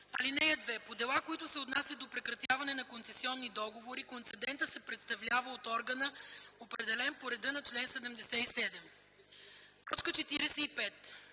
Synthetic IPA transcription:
ɐ̰linɛjəd̪vɛpod̪ɛlˠakoit̪ʊsɛot̪nasjɐd̪opɾɛkɾɐt̪javɐnɛnɐkonsɛsiɔnːid̪ɔɡovoɾikont̪sɛd̪ɛnt̪əsɛpɾɛt̪st̪ɐvlʲavəot̪ɔɾɡənəopɾɛd̪ɛlɛnpoɾɛd̪ɤnɐt͡ʃlɛnsɛd̪ɛmd̪ɛsɛisɛd̪ɛm | t̪ɔt͡ʃkət͡ʃɛt̪iɾɛsɛipɛt̪

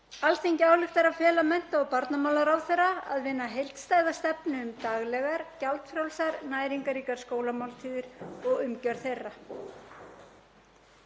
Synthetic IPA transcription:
alθejncaːwlɪxt̪aɾawfɛːlamɛn̥t̪aːwpaɾt̪namaːwlaɾawθejrːaa̰ðvɪnːaɦejl̥t̪st̪aːjðast̪ɛpnʏʏmt̪aɣlɛɣaɾ̥calt̪fɾjawlsaɾnaːjɾiŋkaɾiːkaɾ̥skoːwlamawlt̪ʰiːðɪɾɔɣʏmcœɾ̥θejrːa

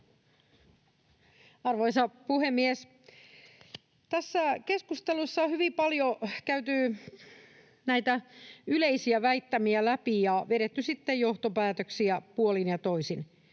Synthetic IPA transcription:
ɑrʋoisɑpuhemːies | t̪æsːækeskust̪elusːɑhyʋipɑljokæyt̪y | næit̪æyleisiæʋæit̪ːæmiælæpijɑʋeɾet̪ːysit̪ːejjoht̪opæːt̪øksiæpuolinjɑt̪oisin

